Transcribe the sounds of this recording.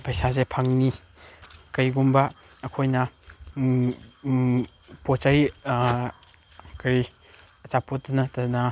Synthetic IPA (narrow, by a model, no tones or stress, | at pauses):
pʰajsazepʰaŋni | kɐjɡumbɐː | kʰojnɐ | pot͡ʃaɾi | kɐɾi | ɐt͡ʃapotːɐnɐtɐnɐ